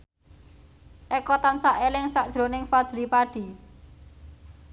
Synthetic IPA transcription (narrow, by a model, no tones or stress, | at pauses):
ʔekɔt̪ansaʔelɪŋsaʔd̥ʒ̥ɾo̤nɪŋfad̪̥lipaɖ̥i̤